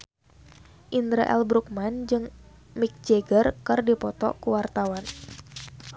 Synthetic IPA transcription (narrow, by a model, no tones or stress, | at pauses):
ʔind̪ɾaʔɛ̰lbɾuk̚mand͡ʒɨŋmik̚d͡ʒeɡərkɨrdipɔt̪ɔ̰kuwart̪awan